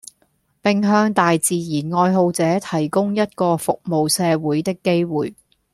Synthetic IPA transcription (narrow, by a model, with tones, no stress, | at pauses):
pɪ˨ŋɦœː˧ŋt̪aː˨jt͡siː˨jiː˨˩nŋɔː˧jɦo˧wt͡sɛː˨˥t̪ʰɐ˨˩jkʊ˥ŋjɐ˥t̚kɔː˧fʊ˨k̚mo˨wsɛː˧wuː˨˥jt̪ɪ˥kːe˥jwuː˨˩j